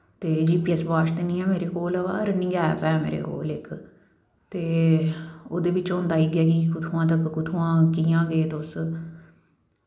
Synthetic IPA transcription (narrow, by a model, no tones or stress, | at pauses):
t̪eːd͡ʒiːpiːɛsbaːʃt̪enĩːɛ̃ːmeːɾeːkoːləba̰ːɾnĩːɡɛːpɛːmḛːɾḛːko̰ːlɪk | t̪eː | oːd̪eːʋɪt͡ʃõːnd̪aːiːɡaːɡiːkʊt̪ʰũːãːt̪̬əkːʊt̪ʰuːãːkiːãːɡeːt̪oːs